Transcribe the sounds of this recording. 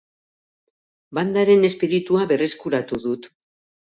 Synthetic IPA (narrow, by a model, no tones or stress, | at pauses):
band̪aɾe̞ne̞spiɾit̪uaβe̞re̞skuɾat̪uðut̪